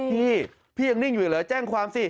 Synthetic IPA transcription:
pʰiː˥˩ | pʰiː˥˩ja˧ŋni˥˩ŋjuː˨˩lɛː˨˦t͡ɕɛː˥˩ŋkʰwaː˧msi˧˩

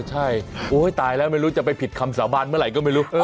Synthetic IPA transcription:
t͡ɕʰa˥˩jʔoː˦˥˩t̪aː˧jlɛː˦˥wma˥˩jɾuː˦˥t͡ɕa˨˩pa˧jpʰi˨˩t̪̚kʰa˧msaː˩˦wbaː˧nmɯ˥˩ɾa˨˩˦jkɔː˥˩ma˥˩jɾuː˦˥ʔɤː˧

